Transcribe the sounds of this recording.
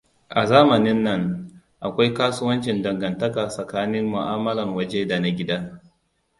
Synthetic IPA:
ʔa˨zaː˦mɐ˨nɪ˦nːɐ˦ŋ | ʔa˨kʷa˦jkaː˦sʊ˦wɐ˦nt͡ʃɪ˨ndɐ˨ŋɡɐ˨ntɐ˦kaː˨sɐ˨kaː˦nɪ˦mːʊ˨ʔaː˦mɐ˦lɐ˨ŋwɐ˦d͡ʒeː˦da˨na˦ɡʲɪ˦daː˦

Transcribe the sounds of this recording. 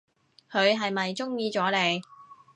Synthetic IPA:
kʰɵ˨˧ɥɦɐ˨jmɐ˨jt͡sʊ˥ŋjiː˧t͡sɔː˨˥le˨j

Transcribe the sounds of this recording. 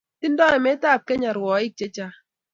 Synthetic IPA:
ti˦n˦dɔ˦ɛ˨mɛ˦ta˦˨p̚kɛ˦ɲa˨ɾwɔ˨ɪ˦k̚t͡ʃe˦t͡ʃa˦

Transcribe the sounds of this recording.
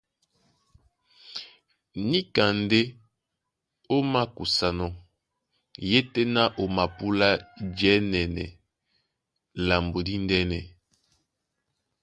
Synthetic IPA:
ni˦ka˨nde˦ | o˦ma˦ku˨sa˨nɔ˨ | je˦te˦na˦ʔo˨ma˨pu˦la˦d͡ʒɛ˦nɛ˨nɛ˨ | la˨mbo˨di˦ndɛ˦nɛ˨

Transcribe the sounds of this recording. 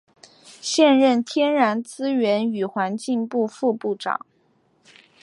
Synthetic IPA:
ɕjɛ˥˧nɻə˥˩nt̪ʰjɛ˥nɻa˧˥nt͡sɹ̩˥ɥɛ˧˥ny˨˩xwa˧˥nt͡ɕi˥˧ŋpu˥˧fu˥˧pu˥˩ʈ͡ʂɑ̰˨˩˦ŋ

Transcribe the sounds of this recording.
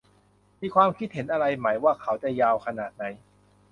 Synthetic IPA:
miː˧kʰwaː˧mkʰi˦˥t̪̚he˩˦nʔa˧ɾa˧jma˩˦jwaː˥˩kʰa˨˦˥wt͡ɕa˨˩jaː˧wkʰa˧naː˨˩t̪̚na˩˦j

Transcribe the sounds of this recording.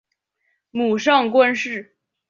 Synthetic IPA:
mu˨˩ʂɑ˥˩ŋkwa˥nʂɻ̩˥˩

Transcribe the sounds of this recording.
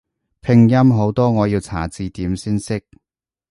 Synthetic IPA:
pʰɪ˧ŋjɐ˥mɦo˨˧˥wt̪ɔː˥ŋɔː˨˧jiː˧wt͡sʰa̰ː˨˩t͡siː˧t̪iː˨˥msiː˥nsɪ˥k̚

